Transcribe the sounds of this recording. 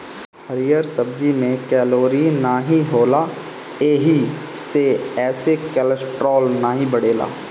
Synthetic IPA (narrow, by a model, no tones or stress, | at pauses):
həɾijəɾsəbd͡ʒimẽkɛːloːɾinaɦĩɦoːla | eːɦiseɛːsekɛləsʈɾɔːlnaɦĩbɐɽeːla̰ː